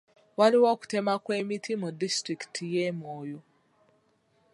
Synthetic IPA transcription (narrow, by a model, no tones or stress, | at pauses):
waliwoːku̥te̞makwe̞ːmitimudistɾiki̥tʰijemoːjo